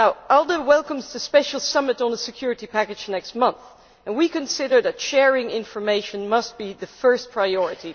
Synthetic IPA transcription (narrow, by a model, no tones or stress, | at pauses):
naʊɛlˠdəwɛlˠkə̃mzðɨspɛʃl̩ˠsʌmɨɾn̩əsɨkʰj̥ʊɹɨtipʰækɨd͡ʒnɛkst̚mʌ̃nθ | ɨ̃nwikɨ̃nsɪɾə˞ðɨtʃɛɹɪ̃ŋɪ̃ɱfə˞meɪʃɨ̃nmʌst̚b̥iðɨfɜ˞spʰɹ̥aɪɔɹɨɾi